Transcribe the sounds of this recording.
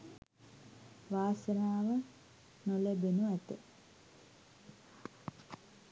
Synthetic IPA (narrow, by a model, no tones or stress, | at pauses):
ʋaːsənaːʋə | nolebenuæt̪ə